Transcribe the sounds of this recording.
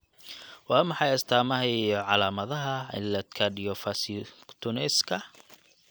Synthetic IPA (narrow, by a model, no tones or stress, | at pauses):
wɑːmɑħɑjɐst̪ʰaːmɐɦɛɔʕɑlaːmɐðɐɦɐɪ̰nlɐt̪kʰɐɖɪjɔfɐst̪ʰʊnɪskʰɐ